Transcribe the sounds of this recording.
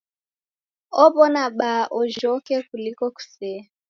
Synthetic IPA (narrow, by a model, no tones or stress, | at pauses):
ɔβɔnaɓaʔɔʒɔkɛkulikɔku̥sɛ